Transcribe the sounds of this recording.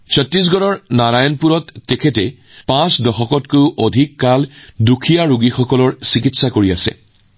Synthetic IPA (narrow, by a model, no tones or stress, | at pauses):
sɔtɹis̬ɡɔɹɔɹnaɹajɔnpuɹɔtːekʰɛtɛ | pãsdɔxɔkɔtkowʔodʱikːaldukʰijaɹuɡixɔkɔlɔɹsikitsakoɹia̰sɛ̰